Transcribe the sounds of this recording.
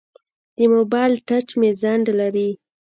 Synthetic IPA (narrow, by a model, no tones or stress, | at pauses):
d̪̥əmobɑjlʈat͡ʃmezaɳɖlaɾi